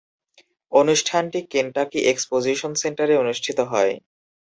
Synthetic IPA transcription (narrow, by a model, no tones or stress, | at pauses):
onuʃʈʰanʈikenʈakiʔekspod͡ʑiʃonseɳʈaɾeonuʃʈʰit̪oɦɔe